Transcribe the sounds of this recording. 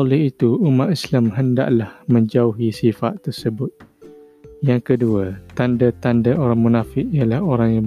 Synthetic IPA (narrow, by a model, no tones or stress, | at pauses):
olɛhit̪uumat̪̚islamɦənda̰ʔlahməɲd͡ʒauɦisifa̰t̪ːərsəbʊt̪̚ | jaŋkəduat̪andat̪andaʔoɾaŋmunafɪʔijalahoɾaŋja